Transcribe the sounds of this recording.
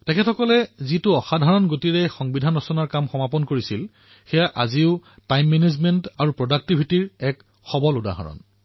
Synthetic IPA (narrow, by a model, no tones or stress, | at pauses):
tɛkʰɛtʰɔkɔlɛzitʊɔxadʱaɹɔnɡotiɹɛxɔŋbidʱanɔsɔnaɹkamxɔmapɔnkoɹisil | xɛjaʔaziʊ | tajmːɛnezmɛntaɹupɹɔdak̚tibʱitiɹɛk | xɔbɔluda̰ɦa̰ɹɔ̰n